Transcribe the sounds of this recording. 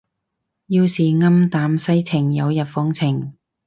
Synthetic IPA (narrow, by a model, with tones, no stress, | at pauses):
jiː˧wsiː˨ŋɐ˥mt̪aː˨˥msɐ˥jt͡sʰɪ˨˩ŋjɐ˨˧wjɐ˨t̚fɔ˥ŋt͡sʰɪ˨˩ŋ